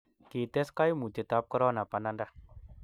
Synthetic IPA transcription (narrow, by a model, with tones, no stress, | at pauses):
ki˨t̪ɛ˦ska˦jmu˨t͡ʃe˨t̪a˦p̚kə˦ɾɔ˦na˨pa˧na˦nda˦